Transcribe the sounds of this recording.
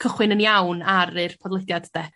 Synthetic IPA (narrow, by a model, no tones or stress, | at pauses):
kʰəχwɪnənjawnaɾɨrpʰɔdlˠədjad̥d̥ɛ